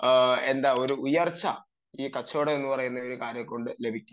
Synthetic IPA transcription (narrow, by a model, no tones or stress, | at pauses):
e̞nd̪aːo̞ɾuujɐrt͡ɕːɐ | iːkɐt͡ɕːoːɽeenːupɐrɐjunːɐo̞ɾukaːɾjɐko̞ɳɖɨle̞bʱikʲːu